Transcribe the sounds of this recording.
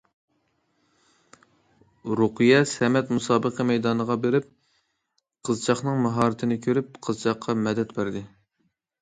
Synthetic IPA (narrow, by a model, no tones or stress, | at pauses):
ɾuqɨjɛsɛmɛt̪musɑːbəqʰəmɛjd̪ɑnəʁɑbeɾɪp̚ | qʰəzt͡ʃʰɑχnɨŋmɑɦɑːɾɪt̪ʰɪnɪkʲʰøɾyp̚qʰəzt͡ʃʰɑχqʰːɑmɛd̪ɛt̪bæɾd̪ɪ